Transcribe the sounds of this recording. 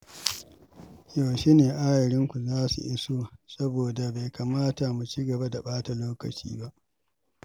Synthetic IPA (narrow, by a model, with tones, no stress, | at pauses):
joː˨ʃiː˦neː˨ʔa˦jɪ˨ɾɪ˦ŋkʷu˨zaː˦sṵ˨ʔɪ˦soː˦sɐ˦boː˨da˨ba˨jkaː˨maː˦ta˨mu˨t͡ʃiː˦ɡɐ˨ba˦da˨ɓaː˦ta˨loː˦kɐ̰˨t͡ʃḭː˦ba˦ʔ